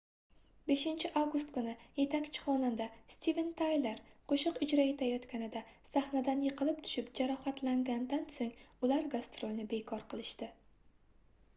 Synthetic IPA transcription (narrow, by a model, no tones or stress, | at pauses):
be̞ʃɪnt͡ʃʰɪʔavɡʊst̪kʊnɪje̞t̪ʰakʲt͡ʃʰɪ̥χɒnand̪ast̪ivent̪ʰajleɾqʰoʃɨqʊd͡ʒɾae̞t̪ʰajɒt̪kʲʰanɪd̪asaχnad̪anjɨqʰɨlɪpt̪ʰʊ̥ʃɪpd͡ʒaɾɒhat̪ʰlaŋɡʲand̪ansoŋʊlaɾɡast̪ɾolʲˠnɪbe̞kʰɒɾqʰɨlˠɪʃt̪ɪ